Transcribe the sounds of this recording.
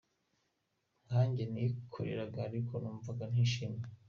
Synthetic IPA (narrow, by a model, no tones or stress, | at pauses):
ŋhaːɲɟenikʰoɾḛɾaɡaːɾikʰonuːɱvaɡan̥hiːʃiːmɲe